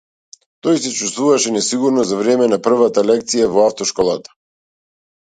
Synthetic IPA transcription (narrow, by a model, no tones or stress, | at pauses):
t̪ɔjsɛt͡ʃust̪vuvaʃɛnɛsiɡuɾnɔzavɾɛmɛnapr̩vat̪alɛk̚t̪sijavɔaft̪ɔʃkɔlˠat̪ḁ